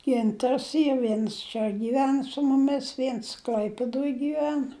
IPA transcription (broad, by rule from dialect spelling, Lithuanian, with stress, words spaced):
ˈɡʲɪntɐrs ˈiːr ˈʋʲiɛns t͡ʃʲɛ ɡʲiːˈʋʲɛn sʊ mʊˈmʲɪs ˈʋʲiɛns ˈklʲɐɪpʲɪdoːj ɡʲiːˈʋʲɛn